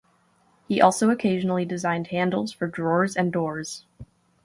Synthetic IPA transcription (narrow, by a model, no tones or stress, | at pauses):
hiʔɔlˠsoʊɨkʰeɪʒnl̩ˠidɨzãɪ̃nd̚hæ̃ndˡl̩ˠz̥fə˞dɹɔɹzɨ̃ndɔɹz̥